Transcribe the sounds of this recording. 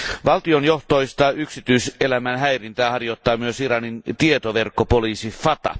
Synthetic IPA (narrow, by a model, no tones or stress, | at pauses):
ʋɑlt̪ionjo̞ht̪ojst̪ɑyksit̪yiselæmænɦæjrint̪æːhɑrjot̪ːɑːmyøsirɑnint̪iet̪oʋerkːopoliːsifɑt̪ɑ̰